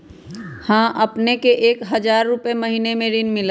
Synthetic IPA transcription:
hãʔəpnekeʔeːkɦəd͡ʒaːɾːupeməɦinemẽɾinmɪl

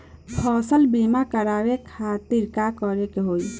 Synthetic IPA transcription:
pʰɔsəlbimakəɾawekʰat̪iɾkakɔɾekeɦoj

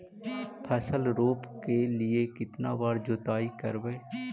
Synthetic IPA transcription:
pʰɛːsəlɾoːpkelɪekɪt̪na̰ːbaːɾd͡ʒoːt̪aːikəɾbeː

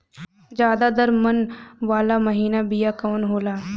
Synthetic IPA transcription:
d͡ʒjaːd̪ad̪əɾmənʋaːlaməɦiːnabijakɔːnɦoːlaː

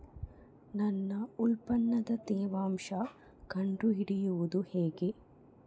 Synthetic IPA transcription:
nɐnːɐulpɐnːɐd̪ɐt̪ɛːʋaːmʂɐ | kɐɳɖuɦiɽijuʋud̪uheːɡe

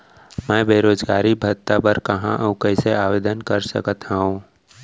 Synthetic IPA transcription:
mɛ̃ːbeːɾoːzɡaːɾibʱət̪ːapəɾkɐɦã̰ʔõːkɛːseaːʋeːd̪ənkəɾsə̰kət̪ɦəɦũː

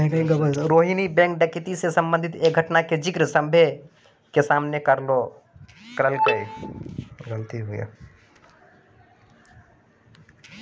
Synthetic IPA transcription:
ĩkəĩɡəbəɾoːɦinibɛ̃ːŋk̚ɖəkit̪isesə̃mbə̃nd̪ʱɪt̪ek̚ɡʱəʈnaked͡ʒɪkɾsə̃mbʱe | kesaːmnekəɾlo | kəɾəlkəi | ɡəlt̪iɦoa̰

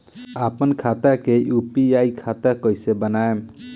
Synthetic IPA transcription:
apənkʰat̪əkejupiajkʰat̪əkɔjsebənaem

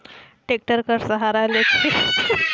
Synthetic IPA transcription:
ʈek̚ʈəɾkəɾsəɦaɾalet͡ɕʰe

